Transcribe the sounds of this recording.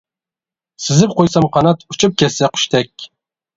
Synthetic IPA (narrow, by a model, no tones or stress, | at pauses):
sɪzɪp̚qʰojsɑmqʰɑnɑt̪ʰut͡ʃʰup̚kʲʰɛsɛqʰy̥ʃt̪ʰɛkʲ